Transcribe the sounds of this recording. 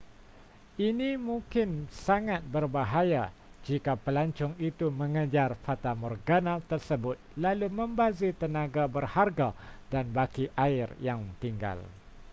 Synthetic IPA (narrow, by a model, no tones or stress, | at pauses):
ʔinĩmũŋkɪnsaŋãt̪̚bərbaɦaja | d͡ʒikapəlaɲt͡ʃʊŋit̪umə̃ŋəd͡ʒarfat̪amɔrɡanãt̪ərsəbʊt̪̚lalumə̃mbazit̪ənãɡabərharɡadanbakiʔaɪrjaŋt̪iŋɡa̰l